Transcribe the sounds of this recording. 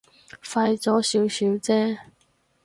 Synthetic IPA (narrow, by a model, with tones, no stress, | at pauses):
fa˧jt͡sɔː˨˥siː˨˥wsiː˨˥wt͡sɛː˥